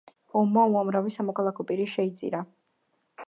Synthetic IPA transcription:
ɔmːauamɾavisamɔkʰalˠakʰɔpʼiɾiʃɛit̪sʼḭɾa

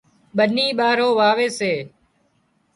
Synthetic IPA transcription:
ɓəniːɓaːɾoːʋaːʋeːseː

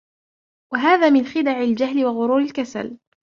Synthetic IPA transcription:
waɦaːðaːmɪnxɪd̪aʕɪld͡ʒaɦlɪwaɣʊɾuːɾɪlkasa̰l

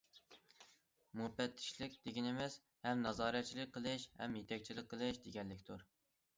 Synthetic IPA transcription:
mubɛt̪ʰːɪ̥ʃlɪk̚ʲd̪̥eɡʲinɪmɛs | hɛmnɑzɑːɾɛt̪̚t͡ʃʰilɪk̚ʲqəlˠɪʃhɛ̰mjet̪ʰɛkʲt͡ʃʰilɪk̚ʲqʰːəlˠɪʃd̪eɡʲɛnːɪkʲt̪ʰuɾ

